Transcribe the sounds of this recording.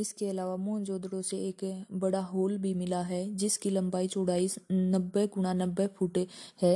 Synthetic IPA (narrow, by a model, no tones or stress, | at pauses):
ɪskeɐlaːʋamõːnd͡ʒoːd̪ɽõseeːkbɐɽaɦoːlbʱimɪlaɦɛːd͡ʒɪskilɐ̃mbaːit͡ʃoːɽaːisnɐbːeɡʊɽ̃anɐbːepʰuːʈhɛː